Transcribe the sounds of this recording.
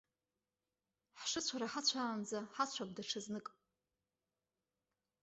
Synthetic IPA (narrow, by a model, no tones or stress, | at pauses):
ħʂɨt͡ɕʷʰaɾaħat͡ɕʷʰaːnd͡zaħat͡ɕʷʰak̚ʷʼdaʈ͡ʂʰɨznɨkʼ